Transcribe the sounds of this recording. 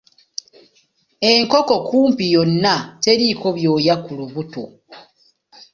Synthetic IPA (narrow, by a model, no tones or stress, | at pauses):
e̞ŋko̞ko̞kuːmpijonːate̞ɾiko̞βjo̞ːjakuluβuto